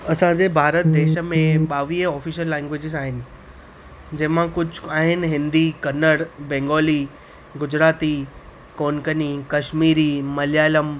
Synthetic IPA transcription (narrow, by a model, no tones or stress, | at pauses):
ɐsãd͡ʑeːbʱaːɾət̪̚d̪eːʃə̆mẽɓaːʋiːəɔːfiːʃəlːɛ̃ːŋɡwʋeːd͡ʑɪzaːɦɪnɪ̆ | d͡ʑɐ̃ɦɪ̃mãkʊd͡ʑʱʊaːɦɪnɪ̆ɦɪ̃nd̪ikɐnəɽbɛ̃ːŋɡoːli | ɡʊd͡ʑɾaːt̪i | koːnkənikɐʃmiːɾimɐljaːləm